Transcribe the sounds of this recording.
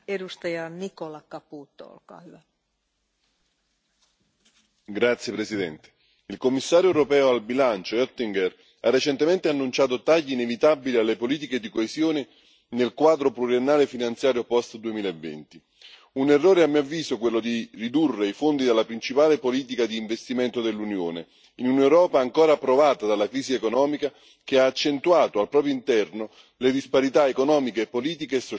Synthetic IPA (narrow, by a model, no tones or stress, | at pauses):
edust̪ɑjɑnikolɑkapuːt̪ːo̰o̰lkɑ̰ːhyʋæ | ɡɾat̪sːjepɾesid̪ɛnt̪e̥ | ilkomːisːaːɾjoɛɾopɛːoalbilant͡ʃoøt̪ːiŋɡɛr | a̰rːet͡ʃent̪ement̪eanːunt͡ʃaːt̪ot̪aʎːiːnevit̪abilialːepoliːt̪̬iked̪ikoesjoːnɪ | nelkwaːd̪ɾopluɾjenːaːlefinant̪sjaːɾjopɔst̪d̪uemiːlaevːḛnt̪i | unerːoːɾeamːiːavːiːsokwelːod̪irid̪urːeifond̪id̪alːapɾint͡ʃipaːlepoliːt̪̬ikad̪iːɱvest̪imɛnt̪od̪elːunjo̰ːnḛ | inunewɾɔːpaːŋkoːɾaːpːɾovaːt̪ad̪alːakɾiːsiekonɔːmika | k̟eaːt͡ʃːent̪uaːt̪oalpɾɔːp̬ɾjoint̪ɛrno | led̪ispaɾit̪aekonɔːmikeːpːoliːt̪̬ikeːsːo